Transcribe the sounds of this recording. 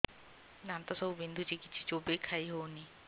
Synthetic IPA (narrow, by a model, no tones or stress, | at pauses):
nãnt̪ɔsəubɪ̃nd̪ʱud͡ʒikɪt͡ʃʰit͡ʃoːbekʰaːiɦoːni